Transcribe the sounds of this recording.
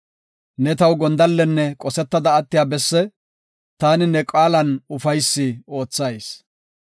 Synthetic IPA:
nɛt̪ɐwɡɔnd̪ɐlːɛnːɛkʼɔsɛt̪ːɐd̪ɐːt̪ːɪjaːbɛsːɛ | t̪aːnɪnɛkʼaːlɐnʊfɐjsːɪo̞ːt͡sːɐjs

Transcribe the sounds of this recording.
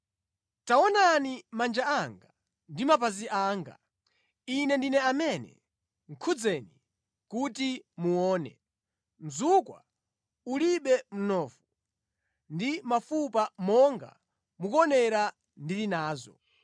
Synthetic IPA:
taɔnanimand͡ʒaaŋɡa | ndimapaziʔaːŋɡa̰ | inɛndinɛamɛnɛ̰ | ŋ̩kʰud͡zɛni | kutimuɔːnɛ̰ | m̩zukwa̰ | uliɓɛm̩nɔːfu | ndimafupamɔŋɡa̰ | mukɔnɛɾa | ndilinaːzɔ̰

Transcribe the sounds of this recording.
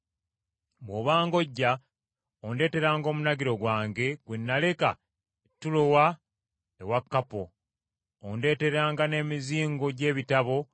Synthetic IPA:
moβaːŋɡo̞ɟːa | onde̞ːte̞ɾaːŋɡo̞ːmunaɡiɾo̞ɡwaːŋɡe̞ɡ̥wenːale̞ka̰ | etːulo̞wa | ewakːapo | onde̞ːte̞ɾaːŋɡane̞ːmiziːŋɡo̞ɟe̞ːβitaβo̞

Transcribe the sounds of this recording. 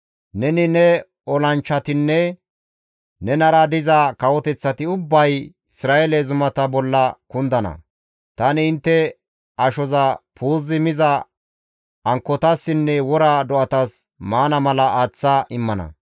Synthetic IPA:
nɛnɪnɛ | ɔlɐnt͡ʃːɐt̪ɪnːɛ | nɛnɐɾɐd̪ɪzɐkɐwɔt̪ɛt͡sːɐt̪ɪʊbːɐj | ɪsɾaːjelɛzʊmɐt̪ɐbɔlːɐkʊnd̪ɐnɐ̰ | t̪ɐnɪːnt̪ːɛ | ɐʃɔzɐpʰuːzːɪmɪzɐ | ɐŋkːɔt̪ɐsːɪnːɛwɔɾad̪ɔʔɐt̪ɐs | maːnɐmɐlɐaːt͡sːɐʔɪmːɐnɐ̰

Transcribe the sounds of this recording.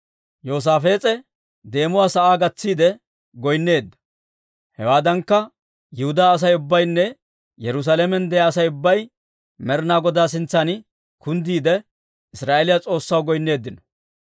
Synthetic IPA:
jo̞ːs̬aːfe̞ːt͡sʼɛ | d̪e̞ːmʊwaːsɐʔaːɡɐt͡sːiːd̪ɛ | ɡɔjnːe̞ːd̪ːɐ̥ | hɛwaːd̪ɐŋkːɐ | jʊhʊd̪aːs̬ɐjʊbːɐjnːɛ | jɛɾʊs̬alɛmɛnd̪ɛjaːsɐjʊbːɐj | mɛɾnaːɡɔd̪aːs̬ɪnt͡sːɐn | kʊnd̪iːd̪ɛ | ɪsɾaːʔelɪjat͡sʼo̞ːsːɐwɡɔjnːe̞ːd̪ːɪnɔ̥

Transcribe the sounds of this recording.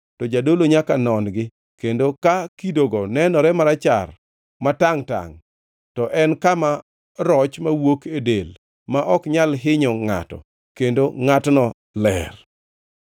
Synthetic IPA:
tɔd͡ʒadoloɲakanɔnɡɪ | kendokakidoɡɔnɛnɔɾɛmaɾat͡ʃa̰r | mataŋta̰ŋ | tɔʔɛnkama | ɾɔt͡ʃmawokedel | maʔɔkɲalɦɪɲɔŋa̰tɔ̰ | kendoŋatnɔ | lɛr

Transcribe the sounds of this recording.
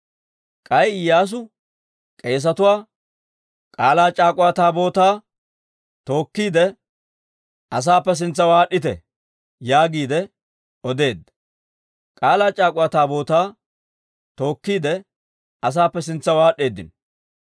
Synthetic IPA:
kʼɐjɪjːaːs̬ʊ | kʼe̞ːs̬ɐt̪ʊwaː | kʼaːlaːt͡ʃʼaːkʼʊwaːt̪aːbo̞ːt̪aː | t̪o̞ːkːiːd̪ɛ | ɐs̬aːpːɛs̬ɪnt͡sːɐwaːɗːɪt̪ɛ̰ | jaːɡiːd̪ɛ | ɔd̪e̞ːd̪ːɐ | kʼaːlaːt͡ʃʼaːkʼʊwaːt̪aːbo̞ːt̪aː | t̪o̞ːkːiːd̪ɛ | ɐs̬aːpːɛs̬ɪnt͡sːɐwaːɗːe̞ːd̪ɪ̰n

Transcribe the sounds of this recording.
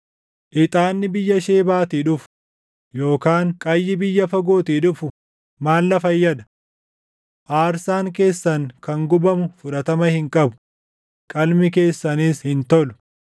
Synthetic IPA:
ʔɪt̪ʼaːnːɪbɪjːɐʃe̞ːbaːt̪iːᶑʊfʊ̥ | jo̞ːkaːŋkʼɐjːɪbɪjːɐfɐɡo̞ːt̪iːᶑʊfʊ | maːlːɐfɐjːɐd̪ɐ̥ | ʔaːɾsaːŋke̞ːsːɐŋkɐŋɡʊbɐmʊfʊᶑɐt̪ɐmɐhɪŋkʼɐbʊ̥ | kʼɐlmɪke̞ːsːɐniːshɪnt̪ɔlʊ̥

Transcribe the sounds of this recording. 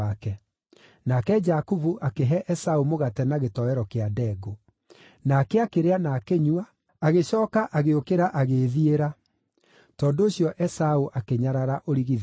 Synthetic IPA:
akɛ | nakɛd͡ʒakuvuʔakeɦɛʔɛsaumoɣatɛnaɣetɔɛɾɔkeadɛːɡo | nakeakeɾeanakeɲwa | aɣeɕɔːkaʔaɣeokeɾaʔaɣeðieɾa | tɔːndoːɕjɔʔɛsauʔakeɲaɾaɾaʔoɾiɣið

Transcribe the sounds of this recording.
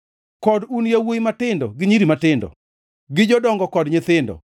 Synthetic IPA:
kɔdunjewujmatɪndɔɡɪɲiɾimatɪndɔ̰ | ɡɪd͡ʒɔdɔŋɡɔkɔdɲɪt̪ɪndɔ̰

